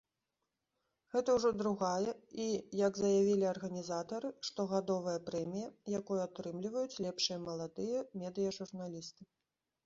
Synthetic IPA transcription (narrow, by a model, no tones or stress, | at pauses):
ɣɛt̪ɐwʐɔd̪ɾuɣajɛijɐɡzɐjavʲilʲiɐrɣɐnʲizat̪ɐɾɨʂt̪ɔɣad̪ɔvɐjɐpɾɛmʲijɐjakɔjuat̪ɾɨmlʲivɐjut͡sʲlʲɛpʂɨjɐmɐlˠad̪ɨjɐmʲɛd̪ɨjɐʐurnalʲist̪ɨ